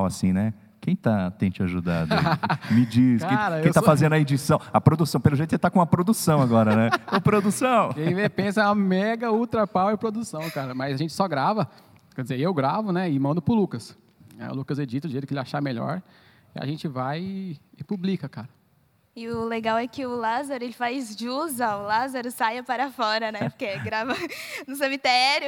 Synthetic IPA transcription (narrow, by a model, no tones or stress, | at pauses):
wɐsĩnɛ | kẽj̃t̪at̪ẽj̃t͡ʃɪaʒud̪a̰d̪mid͡ʒiskkaẽj̃ɾɐẽt̪afazẽnd̪ʊɐed͡ʒisɐ̃w̃ɐpɾod̪usɐ̃w̃pelʊʒejt̪kset̪akõɐpɾod̪usɐ̃w̃aɡɔɾɐnɛopɾod̪usɐ̃w̃kẽj̃vepẽsɐ̃ɐmɛɡɐut̪ɾɐpawɪpɾod̪usɐ̃w̃kaɾɐmɐjzaʒẽnt͡ʃɪ̥sɔɡɾavɐ | kɛd͡ʒɪzeewɡɾavʊnɛɪmɐ̃nd̪ʊpɾʊlukɐs | ɛ̰lukɐzed͡ʒit̪ɐ̃ɪʒejt̪ʊkelɪaʃameʎɔ̰ɾ | ia̰ʒẽnt͡ʃɪvajɪːpublikɐkaɾɐ | ɪʊleɡawɛkɪʊlazaɾʊelɪfazd͡ʒɪuzɐʊlazaɾʊsajɐpaɾɐfɔɾɐnɛpʊ̥ɾkeɡɾavɐnʊs̬ẽmit̪ɛɾjʊ